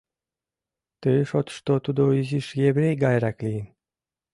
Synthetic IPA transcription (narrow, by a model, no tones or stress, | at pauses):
t̪ɨʃot̪ʃt̪ot̪ud̪oiziʃjebɾejɡajɾaklʲin